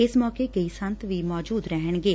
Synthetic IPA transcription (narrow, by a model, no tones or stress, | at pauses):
ɪsmɔːkekəisə̃nt̪ʋiːmɔːd͡ʒuːd̪ɾəɦəɳ̃ɡeː